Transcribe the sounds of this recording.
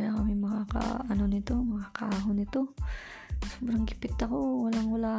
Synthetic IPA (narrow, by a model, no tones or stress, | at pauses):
jakɐmɪmɐŋaka̰ʔɐnonɪt̪omɐŋakɐaːɦʊnɪt̪o | sobɾɐŋɡɪpɪt̪ɐkowɐlaŋwʊla